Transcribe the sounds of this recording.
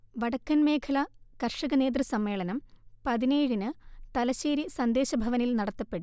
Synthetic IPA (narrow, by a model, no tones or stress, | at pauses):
ʋɐɽɐkːɐnme̞ːkʰɐlɐkɐrʂɐɣɐneːt̪̬rɨsɐmːe̞ːɭɐnɐmpɐðineːɻinɨt̪ɐlɐɕeːɾisɐnd̪e̞ːɕɐbʱɐʋɐnilnɐɽɐt̪ːɐpːeɽu